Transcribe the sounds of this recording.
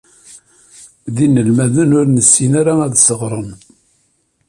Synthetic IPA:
ðinːəlmæðənʊɾnəsːinaɾaæðsəʁɾˤən

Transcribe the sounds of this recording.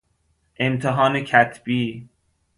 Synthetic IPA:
ʔe̞mt̪ʰeɦɒːnecʰæt̪ʰb̥iː

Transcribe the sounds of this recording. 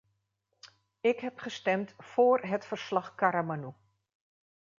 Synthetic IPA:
ɪkɦɛpχəstɛmtfoːrɦətfərslɑχkaɾamanu

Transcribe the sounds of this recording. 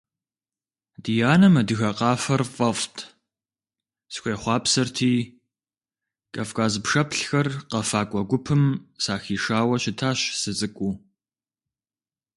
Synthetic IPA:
d̥ijaːnɐmɐdɨɣɐqɑːfɐrfʼɐftʰ | sxʷeːχʷɑːpsɐrtʰiː | kʼɐfkʼaːzpʂɐpʰɬxɐrqɐfaːkʷʼɔɡʷʊpʰɨmsaːxiːʂaːwɐɕɪtʰaːɕsɨt͡sʼɨkʷʼuː

